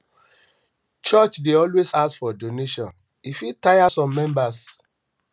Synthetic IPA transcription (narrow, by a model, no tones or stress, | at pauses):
t͡ʃɔt͡ʃdeɔlwezasfɔdoneʃɔ̃n | ifitajasɔ̃mːɛ̃mbas